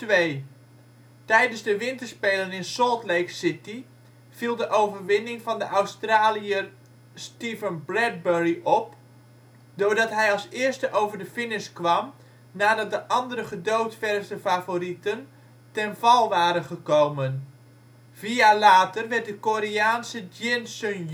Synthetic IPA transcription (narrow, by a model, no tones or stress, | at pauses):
tʋej | tɛjdənzdəʋɪntəɹspejlənɪnsɔlˠtlejksɪti | v̥ilˠdəʔowvərʋɪnɪŋvɑndəʔawstraːliə | stivənbrɛd̚bɛɹiʔɔp | dʊːɹdɑtɦɛjɑlˠsɪːrstəʔowvərdəfɪnɪskʋɑm | naːdɑt̚dəʔɑndəɾəχədowtfɛrsdəfavoritən | tɛnvɑlˠʋaːɾənχəkowmən | viaːlaːtərʋɛrt̚dəkoːɾiaːnsəd͡ʒɪnsən